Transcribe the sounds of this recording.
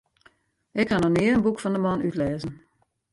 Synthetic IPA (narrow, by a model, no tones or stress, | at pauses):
ʔɪkhanɔnɪəənbukfɔndəmɑnytlɛːzən̩